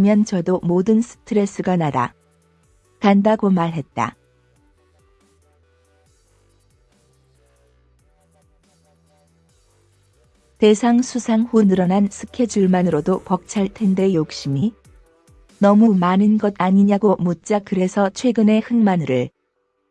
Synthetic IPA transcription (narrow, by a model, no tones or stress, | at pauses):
mjʌnt͡ɕʌdomodɯnsʰɯ̥tʰɯɾe̞s͈ɯɡanada̰ | kandaɡomaɭɦe̞t̚t͈a̰ | te̞sʰaŋsʰusʰaŋhunɯɾʌnansʰɯ̥kʰe̞d͡ʑuɭmanɯɾodokʌk̚t͡ɕʰaɭtʰe̞nde̞jok̚ɕ͈imi | nʌmumanɯnɡʌdaɲiɲaɡomut̚t͡ɕ͈akɯɾe̞sʰʌt͡ɕʰwe̞ɡɯne̞hɯŋmanɯɾɯɭ